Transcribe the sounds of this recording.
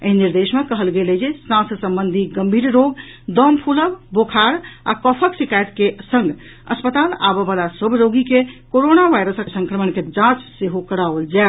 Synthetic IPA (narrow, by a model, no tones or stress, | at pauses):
əɦiniɾd̪esmekəɦəlɡeled͡ʒesnãssə̃mbənd̪ʱiɡəmbʱiɾɾoɡd̪əmpʰuləbbokʰaɾa̰kɔpʰəksikajt̪kesə̃ŋɡ | ə̰spət̪ala̰bebalasəbʱɾoɡikekoɾonaʋajɾəsəsə̃ŋkɾəmənked͡ʒãt͡ʃseɦokəɽaʋəld͡ʒae